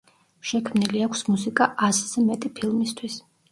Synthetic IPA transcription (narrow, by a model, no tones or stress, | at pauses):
ʃɛkʰmniliakʷʰsmusikʼaʔazzɛmɛt̪ʼipʰilˠmist̪ʰwis